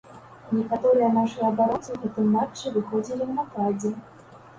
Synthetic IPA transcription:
nʲɛkat̪ɔɾɨjɛnaʂɨjɐɐbaɾɔnt̪sɨɣɛt̪ɨmːat͡ʂːɨvɨxɔd͡zʲilʲinɐt̪ad͡zʲɛ

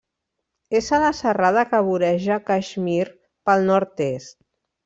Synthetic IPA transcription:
ezələsərað̞əkəβuɾɛʒəkaʒmiɾ | pəlˠnɔɾt̪est̪̚

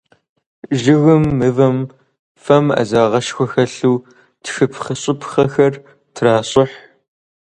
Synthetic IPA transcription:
ʒɪɣɨmːɨvɐm | fɐmɐ̰zaːʁɐʃxʷɔxɐɬuː | tʰxɨpʰχəɕʼɪpʰχɐxɐr | tʰraːɕʼɪħ

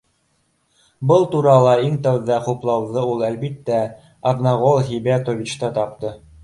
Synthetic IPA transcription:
bɤlˠt̪uɾɑlˠɑiŋt̪æwðɑχuplˠɑwðɤulˠælbit̪ːæ | ɐðnɑʁolˠɦibet̪ovʲit͡ɕt̪ɑt̪ɑp̚t̪ɤ

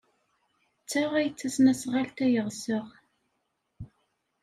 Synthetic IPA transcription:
t͡sːaʁæjt͡sːæsnæsʁalt̪æjəʁsəʁ

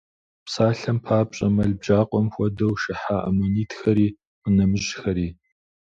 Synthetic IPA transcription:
psaːɬɐmpʰaːpɕʼɐmɐɮbʒaːqʷʼɔmxʷɔdɐwʃɪħaːʔɐ̰moniːtʰxɐɾiː | qənɐmɨʒxɐɾiː

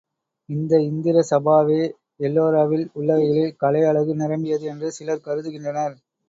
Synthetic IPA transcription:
ɪnd̪ɐɪnd̪ɪɾɐsɐbaːʋeː | ɛlːoːɾaːʋɪlʊɭːɐɣɐjɪlɪlkɐɭɐɪɐɭɐɣɯnɪɾɐmɪjɐðɯɛndrɯsɪlɐɾkɐɾɯðɯɣɪndrɐnɐɾ

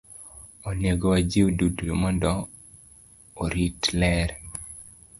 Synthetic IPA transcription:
oneɡowad͡ʒioduduumɔndɔ | ɾitlɛɾ

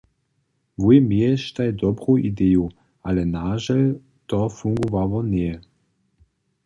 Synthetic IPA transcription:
vujmiɛʃt̪ajd̪ɔbʁuʔid̪ɛju | alɛnaʒal | t̪ɔfuŋɡuvavɔniɛ

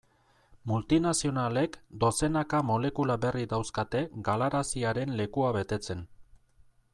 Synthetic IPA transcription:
mult̪inasio̞nale̞kd̪o̞se̞nakamo̞le̞kulaβe̞rid̪awskat̪e̞ɡalaɾasiaɾe̞nle̞kuaβe̞t̪e̞t͡se̞n

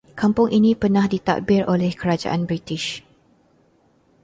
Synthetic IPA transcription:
kampʊŋʔinĩpənãhdit̪a̰k̚bɪɾʔolɛhkəɾad͡ʒa̰ʔanbɾit̪ɪʃ

